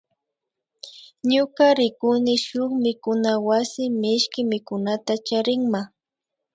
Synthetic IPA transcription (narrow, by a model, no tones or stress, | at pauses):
ɲʊkaɾɪkʊnɪʃʊχmɪkʊnawasɪmɪʃkɪmɪkʊnat̪at͡ʃaɾɪŋma